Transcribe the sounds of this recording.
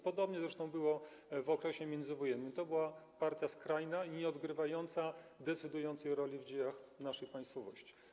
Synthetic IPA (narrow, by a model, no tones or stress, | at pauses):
pɔd̪ɔbɲɛzɾɛʂt̪ɔ̃w̃bɘwɔvɔkɾɛɕɛmʲjɛnd̪zɘvɔjɛnːɘmt̪ɔbɘwapaɾt̪ʲjaskɾajnaiɲɛɔd̪ɡɾɘvajɔnt̪sad̪ɛt̪sɘd̪ujɔnt̪sɛjɾɔlʲivd͡ʑejaxnaʂɛjpaj̃st̪fɔvɔ̰ɕt͡ɕi̥